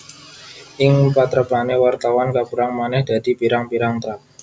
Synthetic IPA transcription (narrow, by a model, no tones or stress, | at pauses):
ʔɪŋpat̪ɾəb̥anewart̪awankabuɾaŋmanɛhd̪̥a̤d̪̥i̤piɾaŋpiɾaŋt̪ɾa